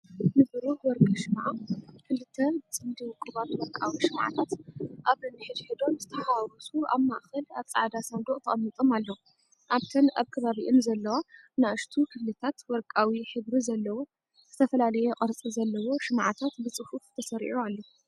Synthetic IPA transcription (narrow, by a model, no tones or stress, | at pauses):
nɨbɨɾuħwɔɾkʼɨʃɨmʕakʰɨlɨt̪ʰːɐbɨt͡sʼɨnd̪iwkʼːɨβatwɔɾkʼa̰wiʃɨmʕa̰t̪ʰat̪ʔaβɾɨnɨħɨd̪ħɨd̪o̞nzɨt̪ʰɐħawɾusuaβmaʔxɐlaβt͡sʼɨʕd̪asɐnd̪oʔʼt̪ʰɐχʼɐmːit̪ʼo̞malːɐwu | ʔaβt̪ʰɐnaβkʰɐβaβiʔɨnzɐlːɐwa | naʔɨʃt̪ʰukʰɨflɨt̪ʰat̪wɔɾkʼawiħɨβɾizɐlːɐwo̞ | z̥ɨt̪ʰɐfɐlalɐjɛqʼɐɾt͡sʼizɐlːɐwo̞ʃɨmʕat̪ʰat̪bɨt͡sʼɨhuft̪ʰɐsɐɾʔualːo